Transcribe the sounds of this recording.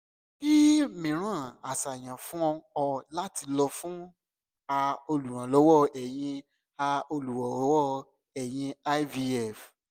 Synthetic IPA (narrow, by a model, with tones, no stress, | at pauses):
ki˦mĩ˨ɾ̃ã˨˦˨a˨sa˨j̃ã˨fũ˦ɔ̃˧ɔ˧la˦ti˧lɔ˧fũ˦ | a˧o˧lu˨ɾ̃ã˨lɔ˨˦wɔ˦ɛ˨j̃ĩ˧ | a˧o˧lu˨wɔ˨˦wɔ˦ | ɛ˨j̃ĩ˧a˦vi˧ɛ˦˨f